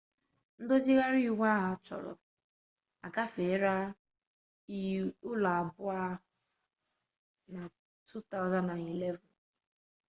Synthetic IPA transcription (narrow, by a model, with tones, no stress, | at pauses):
n̩˦do˦zi˦ɣa˦ɾi˦˨wʷa˦ɦa˨˦t͡ʃɔ̰˨ɾɔ̰˨ | a˨ka˦fe˨˦ɾa˦ | i˦ʊ˦la˨a˨bʊ˦a˦ | na˨ | tʰu˦ta˦ʊ˨za˦na˨ni˨le˦vɔ˨n